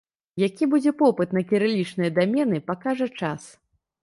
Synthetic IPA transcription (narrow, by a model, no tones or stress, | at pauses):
jakʲibud͡zʲɛpɔpɨt̪nɐkʲiɾɨlʲit͡ʂnɨjɐd̪amʲɛnɨpakaʐɐt͡ʂas